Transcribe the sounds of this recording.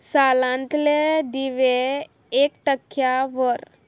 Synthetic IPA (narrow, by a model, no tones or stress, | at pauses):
salãnt̪led̪iʋeː | k̚ʈəkʰːjaʋəɾ